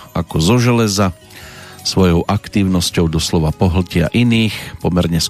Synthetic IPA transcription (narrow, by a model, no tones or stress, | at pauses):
akɔzɔʒɛlɛza | sʋɔjɔʊʔakt̪iːʊnɔscɔʊd̪ɔslɔʋapɔɦl̩cɪa̰ʔiniːxpɔmɛɾɲɛs